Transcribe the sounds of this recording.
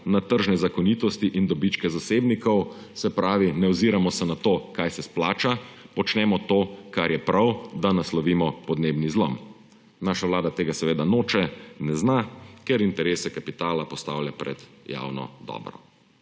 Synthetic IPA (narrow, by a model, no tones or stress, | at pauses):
nat̪əɾʒnɛzakɔniːt̪ɔst̪iʔind̪ɔbit͡ʃkɛzaseːbnikɔw | sɛpɾaːʋinɛɔziɾamɔsɛnat̪oːkajsɛsplaːt͡ʃapɔt͡ʃnɛːmɔt̪oːkaɾjɛpɾʔawd̪anaslɔʋiːmɔpɔd̪neːbnizlɔ̰m | naːʃaʋlaːd̪at̪eːɡasɛʋeːd̪anoːt͡ʃɛnɛznakɛɾint̪ɛɾeːsɛkapit̪aːlapɔst̪awljapɾɛ̰d̪ | ja̰wnɔ̰d̪ɔ̰ːbɾɔ̰